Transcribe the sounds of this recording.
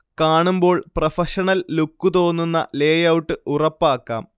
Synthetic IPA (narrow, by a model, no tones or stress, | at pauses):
kaːɳumbo̞ːɭprɐfɐʂɐɳɐlːukːut̪o̞ːnːunːɐ̰leːjɐwuʈːɨurɐpːaːkːa̰ːm